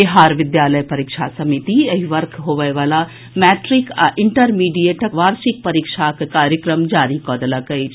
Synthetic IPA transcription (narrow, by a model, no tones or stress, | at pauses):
eɦaːɾʋɪd̪jaːləjpɐɾikʃʰasɐmit̪iɐɦiʋɐɾkʰɦoːʋəjʋaːla | mɛːʈɾikʔɪɳʈəɾmiːɖijeʈʰəʋaːɾsik̚pɐɾikʃʰakkaːɾjəkɾəmd͡ʒaːɾikɔːd̪ləkəjt͡ʃʰ